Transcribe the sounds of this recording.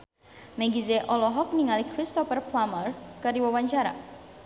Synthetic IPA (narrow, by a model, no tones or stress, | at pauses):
mɛɡizeʔɔlɔɦɔk̚niŋalikɾist̪ɔfərplamərkəriwawaɲt͡ʃaɾa̰